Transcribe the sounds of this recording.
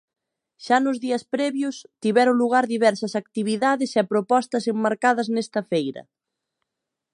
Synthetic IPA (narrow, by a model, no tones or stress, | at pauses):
ʃanʊzðiɐspɾɛβjʊst̪iβɛɾʊluɣ̞aɾðiβɛɾsɐsak̚t̪iβiðaðɪsɛpɾopɔst̪ɐsemːaɾkaðɐznɛst̪ɐfejɾɐ̰